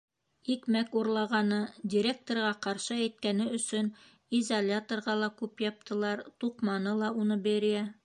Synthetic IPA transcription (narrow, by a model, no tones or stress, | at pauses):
ikmækuɾlˠɑʁɑnɤdʲɪɾʲek̚t̪orʁɑqɑɾʃɤæjt̪̚kænɘɵ̆sɵn | izɐlʲat̪orʁɑlˠɑkʉpjɑp̚t̪ɤ̆lˠɑɾt̪uqmɑnɤlˠɑunɤbæɾjæ